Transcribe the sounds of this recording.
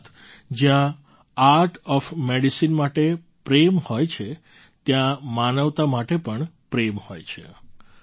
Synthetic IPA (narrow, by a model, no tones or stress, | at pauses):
t̪ʰ | d͡ʒjã | aɾʈʰɔfmeɽisinmaʈe | pɾemhojt͡ʃʰe | t̪jãmanəʋt̪amaʈepəɳpɾemhojt͡ʃʰḛ